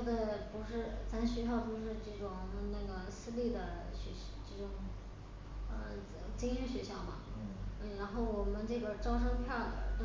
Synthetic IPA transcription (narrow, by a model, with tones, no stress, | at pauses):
də˨˩pu˧˥ʂɻ̩˥˩t͡sa˧˥nɕɥɛ˧˥ɕ̬jɑ˥˩ʊp̪o˥ʊʂɻ̩˥˧ʈ͡ʂɤ˥˩ʈ͡ʂʊ˨˩ŋna˥˩ɡə˩sɹ̩˥˧li˥˩d̪ə˩ɕɛ˧˥ʈ͡ʂɤ˥˩ʈ͡ʂʊ˨˩ŋ | ə̰˧ | t͡ɕi˥ŋɕy˥˩ɕɥɛ˧˥ɕjɑ˥˩ʊmɐ̰˩˥n̩˥˩ɻa˧˥nxo˥˩ʊwɔ˨˩mə˦nʈ͡ʂɤ˥˩ɡə˩ʈ͡ʂɑ˥ʊʂ̬ɤ˥ŋpʰjɑ˥˩d̪ə̰˩t̪o˥